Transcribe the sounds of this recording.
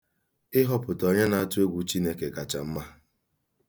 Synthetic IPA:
ɪ˦ɦɔ˦pʊ˨tɔ˨ɲe˦na˨a˦tʊ˦e˦ɡʷu˨t͡ʃi˦ne˦ke˨ka˨t͡ʃa̰˨m̩˦ma˦

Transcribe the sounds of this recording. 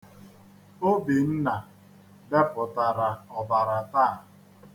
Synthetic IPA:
o˦bi˨n̩˦na˨ | de˦pʊ˨ta˨ɾa˨ɔ˨ba˨ɾa˨taː˦˨

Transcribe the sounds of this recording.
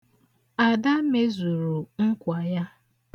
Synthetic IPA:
a˨da˦me˦zu˨ɾu˨ŋ̩˦kʷa˨ja˦

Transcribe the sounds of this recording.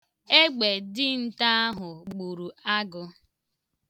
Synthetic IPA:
e˦ɡ͡be˨dɪ˦n̩˦ta˦a˦ɦʊ˨ɡ͡bu˨ɾu˨a˦ɡʊ˨

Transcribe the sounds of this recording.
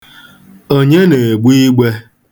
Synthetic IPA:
o˦ɲe˦ne˨e˨ɡ͡bʷu˦i˦ɡ͡be˦

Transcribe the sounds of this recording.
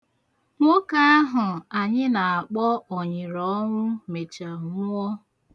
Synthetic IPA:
ŋʷo˦ka˦a˦ɦʊ˨a˨ɲɪ˦na˨a˨k͡pɔ˦ɔ˨ɲɪ˨ɾɔ˨˦ŋʷʊ˦me˨t͡ʃa˨ŋʊ˦ɔ˦

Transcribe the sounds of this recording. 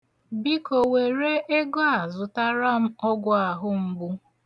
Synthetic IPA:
bi˦ko˨we˨ɾe˦ʔe˦ɡɔ˦a˨zʊ˨ta˦ɾa˦m̩˦ɔ˦ɡʷʊ˦a˨ɦʊ˦m̩˦bu˦

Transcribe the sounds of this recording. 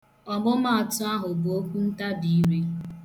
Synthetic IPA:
ɔ˨mʊ˦ma˦˨tʊ˦a˦ɦʊ˨bo˦kʷu˦n̩˦ta˦bi˨i˦ɾi˦

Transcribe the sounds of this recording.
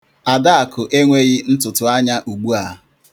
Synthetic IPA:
a˨da˦a˨kʊ˨ʔe˦ŋʷe˦ɣɪ˦n̩˦tʊ˨tʊ˨a˦ɲa˦ʔu˨ɡ͡bu˦a˨

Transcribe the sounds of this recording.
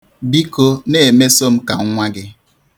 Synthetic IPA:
bi˦ko˦ne˨e˨me˦so˦m̩˦ka˨ŋ̩˦ŋʷa˦ɡɪ˦

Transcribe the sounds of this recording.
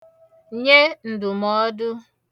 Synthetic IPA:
ɲe˦n̩˨dʊ˨mɔ˦dʊ˦

